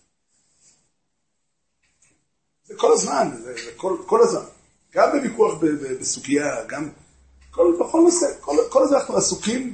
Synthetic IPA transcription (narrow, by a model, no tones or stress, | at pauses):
zeko̞lazmanzezekolko̞lazman | ɡ̥ambevikuaχbebebesuɡijaɡam | kolbeχolnosekolkolazanaχnuasukim